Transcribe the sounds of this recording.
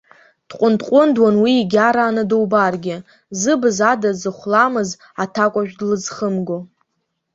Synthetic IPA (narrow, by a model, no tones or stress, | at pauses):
d̥qʷʼʊntʰʼqʷʼʊndwanwiːɡʲaɾaːnɨdowbarɡʲɪ | zɨbɨzadazɨχʷlamɨz | atʰakʷʼaʒᶣdlɨzχəmɡo